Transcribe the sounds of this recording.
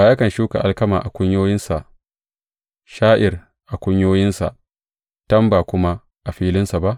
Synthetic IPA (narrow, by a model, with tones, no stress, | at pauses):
baː˨ja˦kɐ˨nʃuː˦ka̰˨ʔa˦˨lkɐ˦maː˨ʔa˨kʷʊ˦ɲjoː˦jɪ˦nsa˨ʔ | ʃaː˦ʔɪ˨r | ʔa˨kʷʊ˦ɲjoː˦jɪ˦nsa̰˨ʔ | tɐ˦mbaː˨kʷʊ˦ma˦ | ʔa˨ɸiː˦lɪ˦nsa˨ba˦ʔ